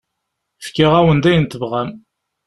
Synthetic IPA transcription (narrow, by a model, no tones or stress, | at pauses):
fkːɪʁæwənd̪æjənt̪əvʁæm